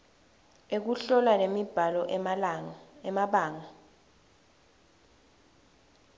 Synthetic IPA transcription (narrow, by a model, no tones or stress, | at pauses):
ek̬uɬɔlanemib̥ʱalɔʔ | ɛmaɓaːŋa